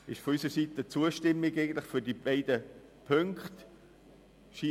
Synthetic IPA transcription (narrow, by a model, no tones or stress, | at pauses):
ɪʃfɔysəsiːtət͡suəʃtɪmːɪɡeɪɡən̩tlɪχfʏɾdibɛɪdə | pʰøŋkχt | ʃiː